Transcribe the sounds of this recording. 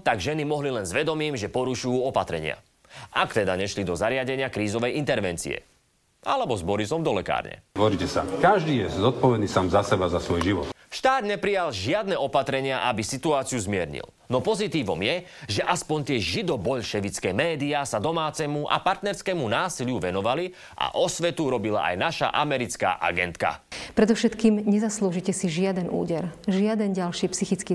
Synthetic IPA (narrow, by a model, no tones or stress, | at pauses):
t̪aɡʒɛnimɔɦlilɛnzʋɛd̪ɔmiːmʒɛpɔɾuʃujuːɔpat̪ɾɛɲɪa̰ | ʔakt̪ɛd̪aɲɛʃlid̪ɔzaɾɪaɟɛɲɪakɾiːzɔʋɛjint̪ɛɾʋɛnt͡sḭɛ̰ | ʔalɛbɔzbɔɾisɔmd̪ɔlɛka̰ːɾɲɛ̰ʋɔɾicɛsa̰kaʒd̪iːjɛzɔt̪̚pɔʋɛd̪niːsaːmzasɛbazasʋɔjʒiʋɔ̰t̪ʃt̪aːd̪ɲɛpɾijalʒɪad̪nɛːɔpat̪ɾɛɲɪaʔabisit̪uaːt͡sijuzmɪɛɾɲḭl | nɔpɔzit̪iːʋɔ̰mjɛʒɛʔaspɔɲt̪ɪɛʒid̪ɔbɔʎʃɛʋit͡skɛmɛːd̪iasad̪ɔmaːt͡sɛmuʔa̰paɾt̪nɛɾskɛmunaːsilɪuʋɛnɔʋali | ʔa̰ʔɔsʋɛt̪uɾɔbila̰ʔa̰jnaʃa̰ʔamɛɾit͡ska̰ːʔa̰ɡɛ̰nt̪ka̰pɾɛd̪ɔfʃɛt̪kiːmɲɛzasluːʒicɛsiʒɪad̪ɛnṵːɟɛɾʒɪad̪ɛnɟalʃiːpsixit͡skiː